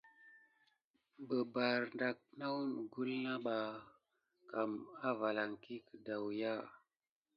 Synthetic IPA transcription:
bə˨ba˨ɾnda˨k̚na˦wn˨ɡu˦lna˦ɓa˨ | ka˨ma˦va˨la˨ŋki˦kə˨da˨wja˦˨

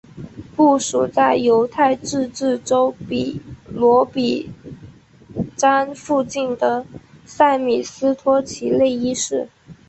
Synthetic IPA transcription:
pu˥˩ʂu˨˩t͡sa˥˩ɪjo˧˥ʊt̪ʰa˥˧ɪʈ͡ʂɻ̩˥˧ʈ͡ʂɻ̩˥˩ʈ͡ʂo˥ʊpi˨˩lwɔ˧˥pi˨˩ | ʈ͡ʂa˥nfu˥˧t͡ɕi˥˩nd̪ə˩sa˥˩ɪmi˨˩sɹ̩˥t̪ʰwɔ˥t͡ɕʰi˧˥le˥˩ɪi˥ʂɻ̩˥˩

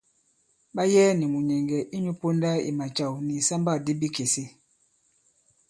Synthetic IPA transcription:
ɓa˦jɛː˦ni˨mu˨ɲɛ˨ŋɡɛ˨ʔi˦ɲu˦po˦nda˦ḭ˨ma˨t͡ʃa˨wni˨sa˦mba˦˨di˦bi˦ke˨si˦

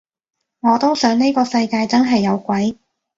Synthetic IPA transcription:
ŋɔː˨˧t̪o˥wsœː˨˥ŋne˥jkɔː˧sɐ˧jkaː˧jt͡sɐ˥nɦɐ˨jːɐ˨˧wkʷɐ˨˥j

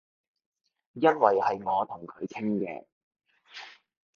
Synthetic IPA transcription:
jɐ˥n̚wɐ˨jhɐ˨jŋɔː˨˧t̪ʰʊ˨˩ŋkʰɵ˨˧ɥt͡sʰɪ˥ŋkɛ̰ː˧

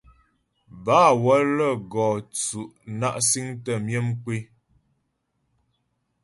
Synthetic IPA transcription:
baː˦wə˨˦lə˦˨ɡɔ˨t͡su˨ʔna˦ʔsi˦ŋtə˦˨mjə˦mkwi˦

